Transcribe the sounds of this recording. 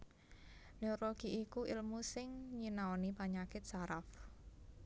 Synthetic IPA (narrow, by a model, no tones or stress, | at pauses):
neɾoɡ̥iʔikuʔilmusɪŋɲinaonipaɲakɪt̪̚saɾaf